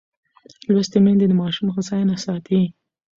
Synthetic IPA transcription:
lwast̪emend̪ed̪əmɑʃumxəzɑjnasɑt̪i

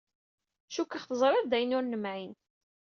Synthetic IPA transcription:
ʃukːəχθəzˤɾˤɪðˤd̪æjənʊɾnəmʕin

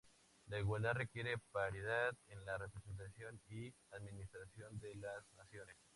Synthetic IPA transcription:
laiɣwald̪aðrekje̞ɾe̞paɾiðaðenlarepɾese̞nt̪asjo̞ni | aðmĩnist̪ɾasjo̞nd̪elasnasjo̞nes

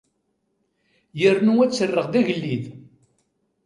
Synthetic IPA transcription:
jəɾnuwæt͡sːərːəʁðæʝəlːið

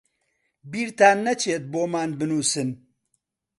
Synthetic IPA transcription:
biːɾt̪aːnːɐt͡ʃʰeːt̪̚boːmaːnbɨnuːsɨn

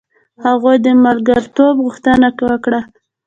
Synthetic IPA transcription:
haɣojd̪əmalɡaɾt̪obɣʊxt̪ənakwəkɽa

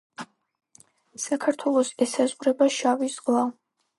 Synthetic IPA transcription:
sakʰaɾt̪ʰwɛlˠɔsɛsazʁɾɛbaʃavizʁlˠa

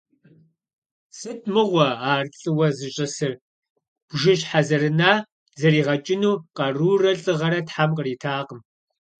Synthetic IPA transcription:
sɨtʰmɨʁʷɔaːrɬʼɨwɐzɨɕʼɐsɨr | b̥ʒɪɕħazɐrɨnaː | zɐriːʁɐt͡ʃʼɪnuːqɐruːrɐɬʼɨʁɐɾɐtħamqəriːtʰaːqəm

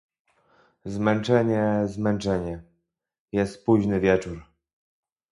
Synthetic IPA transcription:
zmɛnt͡ʂɛɲɛzmɛnt͡ʂɛɲɛ | jɛst̪̚puʑnɘvʲjɛt͡ʂuɾ

